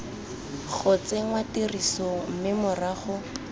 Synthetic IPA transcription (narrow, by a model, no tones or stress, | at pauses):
χʊt͡seŋwatirisom̩mɪmʊraːχʊ